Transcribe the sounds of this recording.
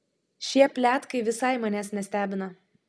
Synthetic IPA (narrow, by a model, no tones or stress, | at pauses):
ʃʲiɛpʲlʲæːt̪kɐɪʋʲɪsɐɪmɑnʲæːsnʲɛsʲt̪ʲæːbʲɪnɐ